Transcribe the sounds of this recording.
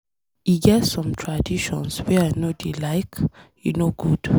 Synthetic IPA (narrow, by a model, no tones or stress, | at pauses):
iɡɛtsɔ̃mtʰɹadiʃɔ̰̃nswɛanodilaɪkjṵnoɡud̥